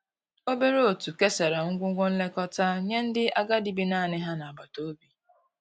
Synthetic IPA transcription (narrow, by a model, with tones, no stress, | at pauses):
o˦be˦ɾe˦o˨tu˨ke˦se˨ɾa˨ŋ̩˦ɡʷʊ˦ɡʷʊ˦n̩˦le˦kɔ˦ta˦ɲe˦n̩˦dɪ˦ʔa˦ɡa˦di˨bi˦na˦˨nɪ˦ɦa˦na˨ba˨to˦bi˨